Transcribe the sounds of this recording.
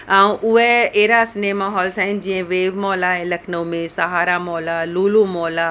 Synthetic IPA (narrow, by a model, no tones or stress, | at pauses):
aũʔʊɦeeːɾasnemaːɦɔːlsaɪnd͡ʑĩə̃ʋeːʋmɔːlaɦẽlɐkʰnəmẽsɐɦaːɾamɔːlaluːlumɔːla